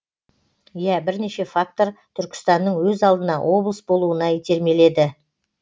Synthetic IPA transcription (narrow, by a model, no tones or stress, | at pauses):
jæbɪɾne̞ʃe̞fak̚t̪o̞ɾt̪ʰʏɾkʲɪ̥st̪ɑnːəɴwɵzɑlˠd̪ənɑ̰wʔo̞blˠəsbo̞lˠuənɑit̪ʰe̞ɾme̞le̞d̪ɪ